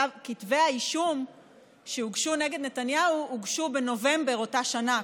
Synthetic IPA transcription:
kitvehaiʃum | ʃeuɡʃuneɡed̪ne̞tanjauuɡʃubeno̞ve̞mbe̞ʁo̞taʃana

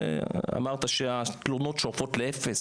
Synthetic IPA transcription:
a̰maʁt̪aʃeat̪lono̞tʃoʁfo̞tleefes

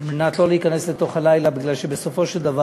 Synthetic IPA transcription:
lmenat̪lo̞leikane̞sle̞t̪o̞χhalajlabiɡlalʃebeso̞fo̞ʃeld̪ava

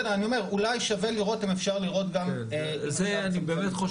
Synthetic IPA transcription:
neanio̞me̞ʁulajʃave̞liʁo̞timefʃaʁliʁo̞t̪ɡam | e | zeanibeːmetχo

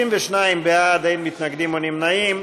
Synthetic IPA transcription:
imvɛʃnaimbead̪ajnmit̪naɡd̪imonimnaim

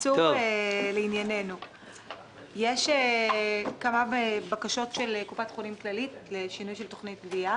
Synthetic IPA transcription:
t͡sueleinjanenu | jeʃe | kamabakaʃo̞tʃelkupatχunimklalitleʃinujʃelto̞χnit̚bbia

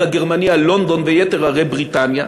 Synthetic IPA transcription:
aɡeʁmanialo̞nd̪o̞nvejet̪eʁaʁebʁit̪anja

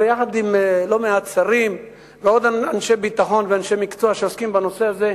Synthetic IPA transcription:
ejaχad̪imlo̞meat̪t͡saʁim | veo̞d̪aanʃe̞bit̪aχo̞nveanʃe̞mikt͡soaʃeoskimbano̞se̞aze̞

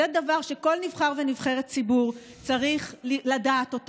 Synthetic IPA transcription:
edavaʁʃeko̞lnivχaʁve̞nivχe̞ʁett͡sibuʁ | t͡saʁiχlladaːto̞t

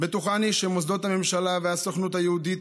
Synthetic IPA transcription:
bet̪uχaniʃemosd̪o̞t̪hamemʃalaveasoχnut̪hajeud̪it̪

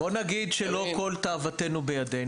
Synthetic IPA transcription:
bo̞naɡid̪ʃelo̞ko̞lt̪aːvat̪e̞nubejade

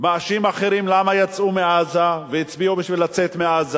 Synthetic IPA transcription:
maːʃimaχeʁimlamajat͡sʔumeazaveit͡sbiubiʃvilat͡set̪meaza

